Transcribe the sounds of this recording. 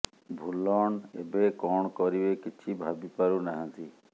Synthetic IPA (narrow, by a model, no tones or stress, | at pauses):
bʱulɔɳebekɔɳ̃kɔɾibekit͡ʃʰibʱabipaɾunaɦə̃nt̪i